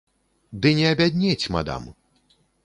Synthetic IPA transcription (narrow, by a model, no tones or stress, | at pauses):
d̪ɨnʲɛɐbʲad̪ʲnʲɛt͡sʲma̰d̪a̰m